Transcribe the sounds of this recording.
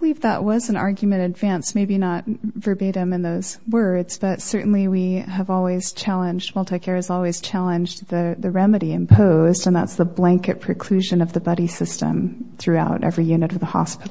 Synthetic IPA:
əlivðə̰ʔwʌzɨ̃nɑ̰ɹɡjmɨ̃ɾ̃ɨdvæ̃nsmeɪbinət̚və˞beɪɾɨ̃mɨ̃nðoʊz̥wɜ˞dz̥b̥ʌtsɜ˞ʔn̩liwiɨvɔlˠwiz̥t͡ʃʰælˠə̃nd͡ʒd̚mʌlˠtɨkʰɛɹɨzɔlˠwiz̥t͡ʃʰælˠə̃nd͡ʒðɨðɨɹɛmɨɾiɨ̃mpʰoʊzdɨ̃nðæ̰tsðəblæ̃ŋkɨt̚pʰɹ̥ɨkʰl̥ʉʒɨ̃nʌvðɨbʌɾisɪstɨ̰̃mθɹʉaʊɾʔɛ̰vɹijʉnɨɾʌvðəhɑ̰spɪɾl̩ˠ

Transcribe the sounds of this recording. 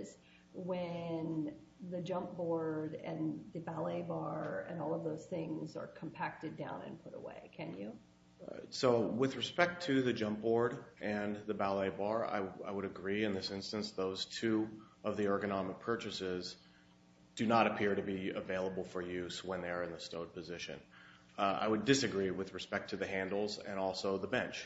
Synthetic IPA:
z̥ | wɨ̃nðɨd͡ʒʌ̃mp̚b̥ɔɹɾɨ̃nðɨbælˠeɪbɑɹɨ̰̃nɔlˠʌvðoʊz̥θɪ̃ŋzə̰˞kʰə̃m̩pʰæk̚tɨdãʊ̃nɨ̰̃npʰʊɾə̰wḛɪkʰɨ̃njʉ | soʊwɪðɹɨspɛk̚tʰɨðɨd͡ʒʌ̃mp̚b̥ɔɹɾʔɨ̃nðɨbælˠeɪbɑɹa̰ɪaɪwəɾɨɡɹiɨ̃nðɪsɪ̃nstɨ̃nsðoʊz̥tʰʉʌvðiɔ˞ɡɨnɑmɨk̚pʰɜ˞t͡ʃɨsɪz | d̥ɨnəɾɨpʰɪɹɾɨbiɨveɪlˠəbl̩ˠfə˞jʉzwə̃nðəə˞ɨ̃nðɨstoʊd̚pʰɨzɪʃɨ̰̃n | a̰ɪwɨdɨsɨɡɹiwɨðɹɨspɛk̚tʰɨðɨɦæ̃ndˡl̩ˠzɨ̰̃ñɔlˠsoʊðəbɛ̃nt͡ʃ

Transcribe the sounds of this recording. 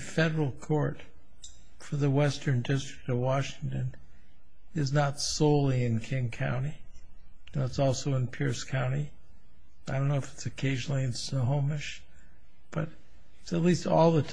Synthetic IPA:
fɛɾə˞l̩ˠkʰɔɹt | fə˞ðɨwɛstə̃˞ndɪstɹ̥ɨ̥k̚tʌvwɑʃɪ̃ŋtɨ̃n | ɨznətsoʊlˠiɨ̃nkʰɪ̃ŋkʰã̰ʊ̃ñi | nətsɔlˠsoʊə̃npʰɪɹskʰãʊ̃ɾ̃i | aɪdõʊ̃nːoʊɪfɨ̥tsɨkʰeɪʒn̩l̩ˠiɨ̃nsəɦõʊmɨʃ | b̥ʌɾ | ɨtsɨtˡlistɔ̰lˠðətʰ

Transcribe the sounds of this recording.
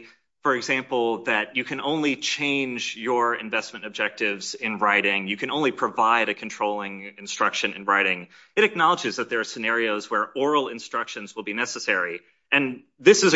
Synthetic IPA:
fə˞ɨɡzæ̃mpl̩ˠðɨt͡ʃɨkʰɨ̃nõʊ̃nlit͡ʃʰẽɪ̃nd͡ʒjə˞ɪ̃ɱvɛsmɨ̃ntɨb̚d͡ʒɛk̚tɪvzɪ̃nɹaɪɾɪ̃ŋjɨkʰɨ̃ñõʊ̃nlipʰɹ̥əvaɪɾɨkʰn̩tʰɹ̥oʊlˠɪ̃ŋɨ̃nstɹ̥ʌkʃɨ̃nɨ̰̃nɹaɪɾɪ̃ŋ | ɨɾɨk̚nɑlˠəd͡ʒɨzðɨt̪̚ðə˞ːsɨnɛɹioʊzwə˞ɔɹl̩ˠɨ̃nstɹ̥ʌkʃɨ̃nzwəlˠbinɛsəsɛɹi | ɨ̃n | ðɪsɨz

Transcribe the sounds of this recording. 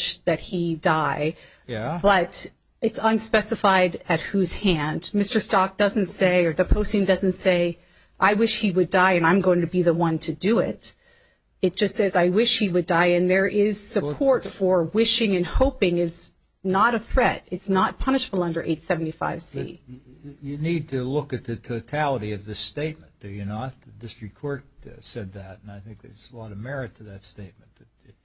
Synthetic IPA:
ʃðɨt̚hidaɪ | b̥ʌɾ | ɨtsʌ̃nspɛsɨfaɪɾɨt̚hʉz̥hæ̃ndmɪstə˞stɑk̚d̥ʌzɨ̃n̩tseɪə˞ðɨpʰoʊstɪ̃ŋdʌzɨ̃n̩tseɪ | ʔaɪwɪʃhiwɨdaɪɨ̃nãɪ̃mɡoʊɪ̃ŋtʰɨbiðəwʌ̃ntʰɨdɨɪ̰t | ɨt̚d̥ʒ̥ʌstsɛzaɪwɪʃhiwɨdaɪɨ̃nðə˞ʔɪz̥sɨpʰɔɹtfə˞wɪʃɪ̃ŋɨ̃nhoʊpɪ̃ŋɪz | nəɾɨθɹɛɾɨtsnət̚pʰʌñɨʃəbl̩ˠʌ̃ndə˞ʔeɪtsɛvn̩tifa̰ɪv̥sḭ | jɨnid̚tʰɨlʊkɨt̪̚ðɨtʰoʊtʰælˠəɾiʌvðɪsteɪt̚m̃nd̥ɨjɨnət̚dɪstɹ̥ikʰɔɹk̚sɛd̪̚ðɨɾnaɪθɪ̃ŋk̚ðə̰˞zəlɔɾʌvmɛɹɨtʰɨðɨtsteɪt̚mn̩ð̥ɨ

